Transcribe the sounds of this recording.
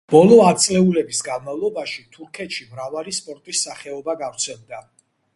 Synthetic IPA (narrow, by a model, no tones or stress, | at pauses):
b̥ɔlˠɔat̪sʼlɛulɛbisɡanmavlˠɔbaʃit̪ʰuɾkʰɛt̪ʃimɾavalispʼɔɾt̪ʼisːaχɛɔbaɡavɾt̪sʰɛlˠd̪a